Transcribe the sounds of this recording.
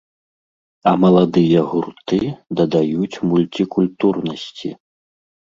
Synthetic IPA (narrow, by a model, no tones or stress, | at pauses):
ɐmɐlˠad̪ɨjɐɣurt̪ɨd̪ɐd̪ajut͡sʲmulʲt̪ʲikulʲt̪urnɐsʲt͡sʲḭ